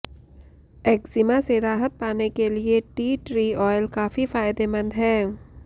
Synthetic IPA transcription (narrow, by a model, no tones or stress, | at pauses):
eːkzɪmãseɾaːɦət̪̚paːnekelieʈiːʈɾiːɔːɪlkaːfifaːɪd̪emə̃nd̪ɦɛː